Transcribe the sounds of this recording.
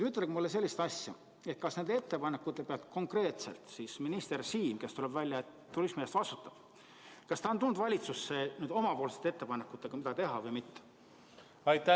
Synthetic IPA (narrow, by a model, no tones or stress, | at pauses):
yt̪ːˑelɡmulːes̬e̞lʲːist̪ɑsʲjɑ | e̞t̪̚kɑsne̞nd̪eet̪ːe̞pɑnekːˑut̪ːˑe̞peɑlt̪kʰo̞ŋkre̞ːt̪se̞̰lt̪siːsminist̪e̞rsiːmke̞st̪ulebvælʲjɑet̪ːurismiest̪vɑst̪ut̪ːˑɑb̥ | kɑst̪ɑo̞nt̪ulnːd̪̥vɑlʲit̪susːenyːd̪o̞mɑpo̞ːlse̥t̪ːeet̪ːe̞pɑnekːˑut̪ːˑe̞ɡ̥ɑmid̪ɑt̪e̞ɦɑvɤjmit̪ː | ɑjt̪ːæ